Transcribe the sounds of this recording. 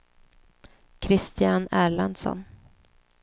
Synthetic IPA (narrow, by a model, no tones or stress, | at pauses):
kʰɾɪst̪ɪjanæːɭand̪sɔ̰n